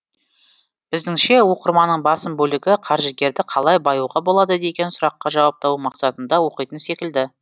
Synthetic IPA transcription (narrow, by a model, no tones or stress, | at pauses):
b̥ɪzd̪ɪŋʃe̞woqəɾmɑnəɴbɑsəmbɵlɪɡʲɪqʰɑɾʒəɡʲe̞ɾd̪ɪqʰɑlˠɑjbɑjuʁɑbo̞lˠɑd̪əd̪e̞kʲe̞nsʊɾɑqːɑʒɑwɑp̚t̪ɑwumɑqsɑt̪ənd̪ɑwo̞qijt̪ənse̞kʲɪld̪ɪ